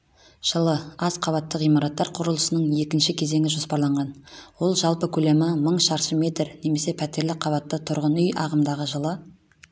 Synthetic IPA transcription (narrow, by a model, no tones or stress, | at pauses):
ʒ̥əlˠəɑzqʰɑβɑt̪ːəqijmɑɾɑt̪ːɑɾqʰʊɾəlˠəsənəɴje̞kʲɪnʃɪkʲʰe̞ze̞ŋʲɪʒo̞spɑɾlˠɑɴʁɑnwo̞lˠʒɑlˠpəkʲʰɵle̞mɪməɴʃɑɾʃəme̞t̪rne̞me̞se̞pʰæt̪e̞ɾlɪqʰɑβɑt̪ːət̪ʰʊɾʁənʏjʔɑ̰ʁəmd̪ɑʁəʒəlˠə